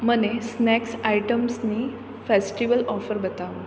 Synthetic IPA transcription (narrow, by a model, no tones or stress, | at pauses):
mənesnɛksajʈəmsniː | fesʈiʋəlɔfəɾbət̪aʋə